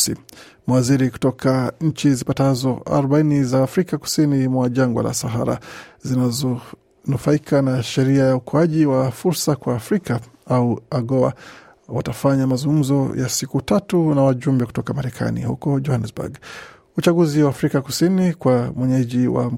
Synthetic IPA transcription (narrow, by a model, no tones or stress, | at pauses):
ḭ | mawaziɾiku̥tɔkʰaɲ̩t͡ʃizipatazɔa̰ɾuɓainizaːfɾikaku̥sinimwaʄaŋɡwa̰lʔa̰saɦa̰ɾa̰zinazɔ | nufaikʰanaʃɛɾiajaukʰɔaʄiwafuɾsakwaːfɾika | auaɡɔa̰ | watafaɲamazuŋɡum̩zɔja̰sikutatunawaʄumbɛkutɔkamaɾɛkʰa̰nḭhṵkɔd͡ʒɔhanɛsbṵɡ | ut͡ʃaɡuziwaːfɾikaku̥sinikwamwɛɲɛʄiwa̰m